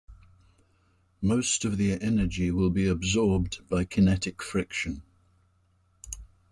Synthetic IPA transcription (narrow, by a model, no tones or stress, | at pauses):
moʊstəvðiʔɛnəd͡ʒiwɪlˠbiəbzɔːb̚b̥aɪkʰənɛtɪkfɹɪkʃə̃n